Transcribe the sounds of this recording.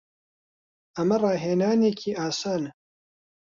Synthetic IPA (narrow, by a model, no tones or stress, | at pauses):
ɐmɐrˤɑːɦeːnaːneːkʰiːʔaːsaːnɨ